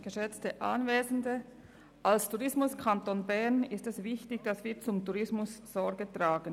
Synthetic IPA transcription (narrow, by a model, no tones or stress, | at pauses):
ɡ̥əʃɛt͡stəʔa̰nveːzn̩də | ʔalstʰuʁɪsmʊskʰantoːnbɛʁnɪstɛsvɪçtɪçd̥asv̥iːt͡sʊmtuʁɪsmʊsːɔɾɡətʁ̥aːɡən